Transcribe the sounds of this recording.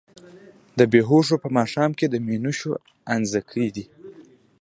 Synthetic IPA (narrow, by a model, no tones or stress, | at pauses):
d̪əbeɦoʂ̬opəmɑʂɑmked̪əminuʃo | anzəkʰəd̪i